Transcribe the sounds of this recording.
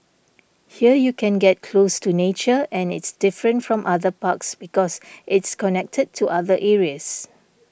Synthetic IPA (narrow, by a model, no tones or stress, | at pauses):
hiəjukɛ̃nɡɛt̚kʰlostunet͡ʃəɛ̃nɪ̰tsd̥ɪfɹə̃ntfɹɔ̃mʔaðəpaksbikɔsʔɪtskɔnɛk̚tʰəd̚tʰuʔaðəʔɛɹiəs